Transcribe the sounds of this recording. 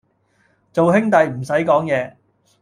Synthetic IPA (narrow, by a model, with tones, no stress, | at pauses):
t͡so˨wɦɪ˥ŋt̪ɐ˨jm̩˨˩sɐ˨˥jkɔː˨˥ŋjɛː˨˧